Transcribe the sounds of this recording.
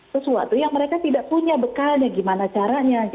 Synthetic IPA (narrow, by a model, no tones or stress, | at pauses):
səsua̰t̪ujaŋməɾekat̪idaʔpuɲabəkanaɡimanat͡ʃaɾaɲa